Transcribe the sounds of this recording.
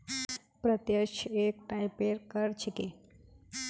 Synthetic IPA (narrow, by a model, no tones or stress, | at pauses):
pɾət̪jəʃek̚ʈajpeɾkəɾt͡ʃʰiki